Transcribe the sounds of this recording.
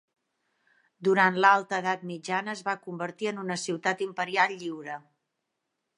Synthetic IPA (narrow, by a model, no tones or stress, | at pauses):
d̪uɾant̪lalˠt̪əðat̪̚mid͡ʒanəːzβakumbəɾt̪iənunəsiwt̪at̪impəɾialːiwɾə